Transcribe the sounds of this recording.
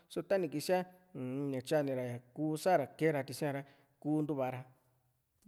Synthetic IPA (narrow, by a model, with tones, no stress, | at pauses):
so˧t̪a˦nĩ˧ki˧si˦ã˦˨˧ | ɲã˨t͡ʃa˦˨nĩ˧ɾa˨ja˨kuː˦sa˦˨ɾa˨ke˦ɾa˧t̪i˧sĩ˦ã˧ɾa˧ | kuː˦nd̪u˧βa˧ɾa˧